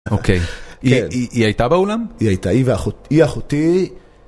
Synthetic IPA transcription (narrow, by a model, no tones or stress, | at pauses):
okʰejiniʔiajtabeulamiajt̪aiveaχutiaχut̪i